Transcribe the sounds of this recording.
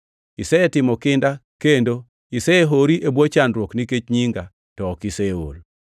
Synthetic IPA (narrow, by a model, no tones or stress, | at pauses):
ɪsɛɛtɪmɔkɪndakendo | ɪsɛeɦoɾiʔebwot͡ʃandɾwokniket͡ʃɲiŋɡa | tɔːkɪsɛwo̰l